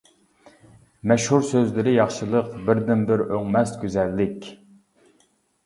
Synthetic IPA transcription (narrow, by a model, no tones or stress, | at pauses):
mɛʃhuɾsøzlɪɾɪjɑχʃɨlˠəqbɪɾd̪ɪnbɪɾøŋmɛst̪ɡʲyzɛlːɪkʲ